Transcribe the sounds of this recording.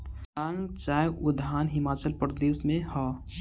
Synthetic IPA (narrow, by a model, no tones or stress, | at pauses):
ãːŋɡt͡ʃaːjʊd̪aːnɦɪmaːt͡ʃəlpɾəd̪eːsmẽhɔː